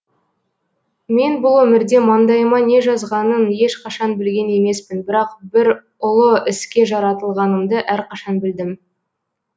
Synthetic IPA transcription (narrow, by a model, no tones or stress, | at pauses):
me̞nbʊlˠwɵmɪɾd̪e̞mɑnd̪ɑjəmɑne̞ʒɑzʁɑnənje̞ʃqʰɑʃɑnbɪlɡʲe̞ne̞me̞spɪnbɪɾɑqbɪɾ | ʊlˠəɪskʲe̞ʒɑɾɑt̪əlˠʁɑnəmd̪əʔæɾqʰɑʃɑnbɪld̪ɪm